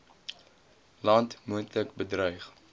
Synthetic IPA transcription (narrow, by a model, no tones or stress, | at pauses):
lɐntmuəntləkbədrœjχ